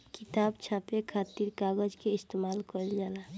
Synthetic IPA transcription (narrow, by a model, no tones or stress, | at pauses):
kit̪abt͡ʃʰapekʰat̪iɾkaɡəd͡ʒkeist̪emalkəld͡ʒala